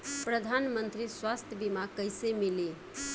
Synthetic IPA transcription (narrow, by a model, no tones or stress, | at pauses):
pɾəd̪ʱanmənt̪ɾiswast̪ʰjəbimakəjsemile